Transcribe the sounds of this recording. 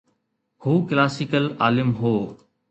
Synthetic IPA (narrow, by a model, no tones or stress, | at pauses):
huːklaːsɪkəla̰ːlɪmɦoː